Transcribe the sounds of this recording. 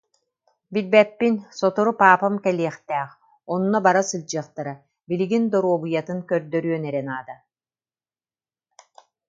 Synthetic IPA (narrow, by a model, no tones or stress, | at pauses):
bilbɛpːinsɔt̪ɔɾupaːpamkɛliɛχt̪ɛːχ | ɔnːɔbaɾasɯlʲd͡ʑɯːχt̪aɾa | biliɡind̪ɔɾuɔbɯjat̪ɯŋkœɾd̪œɾyœnɛɾɛnaːd̪a